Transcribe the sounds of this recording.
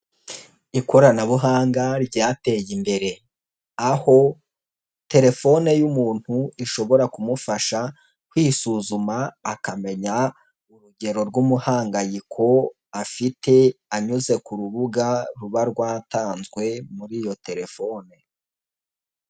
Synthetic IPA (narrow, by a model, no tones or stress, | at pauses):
iko̞ɾanaβuɦaːŋɡaɾɟaːte̞ːjimbe̞ɾe̞ | aho̞ | te̞ɾe̞fo̞ne̞jumuːn̥huiʃo̞βo̞ɾakumufaʃa | kwiːsuːzumaːkame̞ɲa | uɾuɟe̞ɾo̞ɾɡumuhaːŋɡajikʰo̞ | afite̞aɲuze̞kuɾuβuɡaɾuβaɾɡwaːtaːnzɡwe̞muɾiːjo̞te̞ɾe̞fo̞ːne